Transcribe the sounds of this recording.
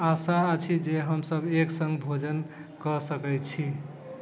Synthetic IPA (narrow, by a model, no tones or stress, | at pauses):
asaət͡ʃʰid͡ʒeɦəmsəbeksə̃ŋɡbʱod͡ʒən | kəsəkɛt͡ʃʰi